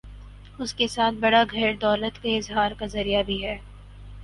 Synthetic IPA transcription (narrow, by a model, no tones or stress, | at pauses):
ʊskesaːt̪̚ʰbɐɽaɡʱɛːɾd̪ɔːlət̪keɪzɦaːɾkazɐɾijabʱiɦɛː